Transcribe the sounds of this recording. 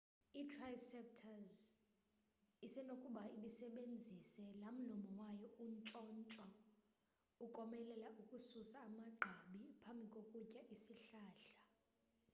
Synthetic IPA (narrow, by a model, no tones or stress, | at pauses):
itʰrajsɛp̚tʰaz | isɛnokʼuɓaiɓisɛɓend͡zʱisɛlam̩lɔmɔwajɔunt͡ʃʼɔnt͡ʃʼwa | ukʼɔmɛlɛlaʔukʼususaːmaɡ͡ǃʱaɓipʰambʱikʼokʼucʼaʔisiɬaːɬḁ